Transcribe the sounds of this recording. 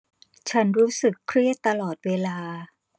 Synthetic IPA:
t͡ɕʰa˦˥nɾuː˦˥sɯ˨˩kʰɾi˥˩ət̪ːa˧lɔː˨˩t̪̚weː˧laː˧

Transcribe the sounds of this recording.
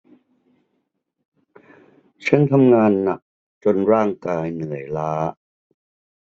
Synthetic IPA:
t͡ɕʰa˦˥nt̪ʰa˧mŋaː˧nːa̰˨˩k̚ | t͡ɕo˧nɾaː˥˩ŋkaː˧jnɯ˩˦əjlaː˦˥

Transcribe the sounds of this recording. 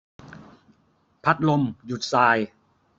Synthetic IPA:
pʰa˦˥t̪̚lo˧mju˨˩t̪̚saː˧j

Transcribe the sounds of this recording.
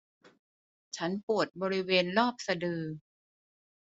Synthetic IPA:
t͡ɕʰa˦˥npu˨˩ət̪̚bɔː˧ɾi˦˥weː˧nlɔː˥˩p̚sa˧dɯː˧

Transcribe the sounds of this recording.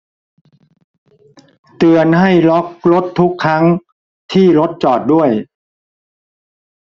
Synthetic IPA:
t̪ɯ˨ənɦa˥˩jlɔ˦˥k̚lo˦˥t̪ʰːu˦˥kʰːɾa˦˥ŋ | t̪ʰiː˥˩ɾo˦˥t̪̚t͡ɕɔː˨˩t̪̚du˥˩əj

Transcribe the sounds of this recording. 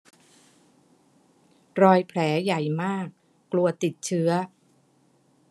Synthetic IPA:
ɾɔː˧jpʰlɛː˩˦ja˨˩jmaː˥˩kː | lu˧ɐt̪i˨˩t̪̚t͡ɕʰɯ˦˥ɐ

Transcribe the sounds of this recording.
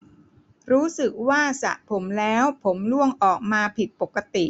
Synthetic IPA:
ɾuː˦˥sɯ˨˩k̚waː˥˩sa̰˨˩ʔpʰo˩˦mlɛː˦˥wpʰo˩˦mlu˥˩əŋʔɔː˨˩k̚maː˧pʰi˨˩t̪̚po˨˩kːa˧t̪i˨˩ʔ

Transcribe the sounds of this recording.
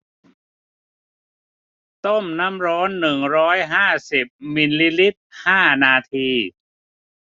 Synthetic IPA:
t̪o˥˩mna˦˥mɾɔː˦˥nːɯ˨˩ŋɾɔː˦˥jɦaː˥˩si˨˩p̚mi˧nli˧˥li˦˥t̪̚haː˥˩naː˧t̪ʰiː˧

